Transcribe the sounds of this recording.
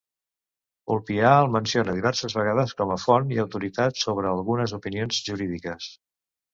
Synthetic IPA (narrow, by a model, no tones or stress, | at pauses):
ulpiaəlˠmənsionəðiβ̞ɛɾsəzβəɣað̞əskɔməfoniəwt̪uɾit̪at̪soβɾəːlˠɣunəzupinionzʒuɾiðikəs